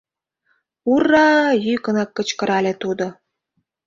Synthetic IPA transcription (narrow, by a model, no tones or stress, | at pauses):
urːɑjykə̆nɑkːə̆t͡ɕkə̆ɾɑlʲet̪ud̪o